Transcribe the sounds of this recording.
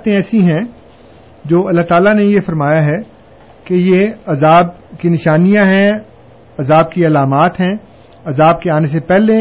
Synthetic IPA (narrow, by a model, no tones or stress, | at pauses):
t̪ẽɛːsĩɦɛ̃ | d͡ʒoːɐlːaɦt̪aːlanejefɐɾmaːjaɦɛ | kejeɐzaːb̚ | kinɪʃaːnijãɦɛ̃ | ɐzaːb̚kiɐlaːmaːt̪ɦɛ̃ː | ɐzaːb̚keaːnes̬epɛɦle